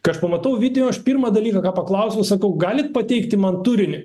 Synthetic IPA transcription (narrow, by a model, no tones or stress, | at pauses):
kɐɪɐʃpɐmɐt̪ɐʊʋʲiːt̪ʲɪjʲoɐʃpʲiːɾmɑːd̪ɐlʲiːkɐkɑːpɐklˠɐʊsʲoʊsɐkɐʊɡɑːlʲɪt̪̚pɐt̪ʲɛɪkt̪ʲɪmɐnt̪uɾʲɪnʲɪ